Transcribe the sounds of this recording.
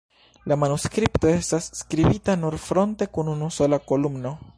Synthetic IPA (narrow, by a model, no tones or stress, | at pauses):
lamanuskɾipto̞e̞stasːkɾibitanuɾfɾo̞nte̞kununuso̞lako̞lumno̞